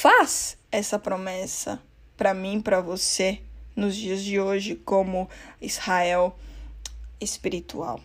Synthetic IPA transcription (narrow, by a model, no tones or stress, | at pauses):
fazɛsɐpɾomɛsɐ̰ | pɾɐmĩpɾɐvosenʊzd͡ʒiɐzd͡ʒɪoʒɪkõmʊizhaɛw | espiɾit̪ṵa̰w